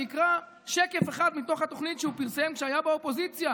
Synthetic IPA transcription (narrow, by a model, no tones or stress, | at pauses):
ikʁa | ʃeke̞feχad̪mit̪o̞χhat̪oχnit̪ʃeupiʁsemkʃeajabeopo̞zit͡sja